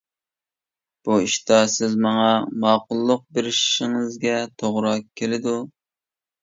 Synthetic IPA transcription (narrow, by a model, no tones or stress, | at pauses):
b̥uiʃt̪ɑsɪzmɑŋɑmɑːqʊlˠːʊq̚beɾɪʃʃɪŋɪzɡʲɛt̪ʰoʁɾɑkʲʰːelɪd̪u